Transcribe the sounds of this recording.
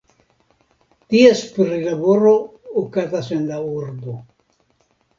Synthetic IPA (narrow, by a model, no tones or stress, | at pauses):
t̪iespɾilaβoɾoːkazasenlauɾdo